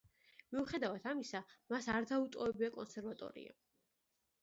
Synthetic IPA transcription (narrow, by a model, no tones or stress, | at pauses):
miuχɛd̪avat̪ʰamisamasaɾd̪aut̪ʼɔɛbiakʼɔnsɛɾvat̪ʼɔ̰ɾḭa̰